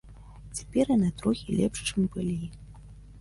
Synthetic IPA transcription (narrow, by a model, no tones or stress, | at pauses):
t͡sʲḁpʲɛrjanat̪ɾɔxʲilʲɛ̰pʂt͡ʂɨmpɨlʲji